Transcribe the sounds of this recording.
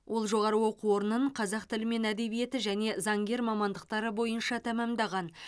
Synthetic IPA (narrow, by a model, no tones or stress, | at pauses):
wʔo̞lˠʒo̞ʁɑɾəwo̞quo̞ɾənəɴqʰɑzɑqt̪ɪlɪme̞næd̪e̞vije̞t̪ɪʒæne̞zɑŋɡʲe̞ɾmɑmɑnd̪əq̚t̪ɑɾəbo̞jənʃɑt̪ʰæmæmd̪ɑʁɑn